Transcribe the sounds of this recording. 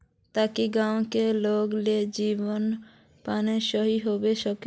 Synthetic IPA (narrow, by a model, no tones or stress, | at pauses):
t̪akiɡãwkeloɡled͡ʑibon | paneʃɔɦiɦobeʃɔk